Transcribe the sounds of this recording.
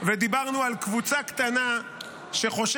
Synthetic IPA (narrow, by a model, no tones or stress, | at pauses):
ved̪ibaʁnualkvut͡sakt̪ana | ʃe̞χo̞ʃ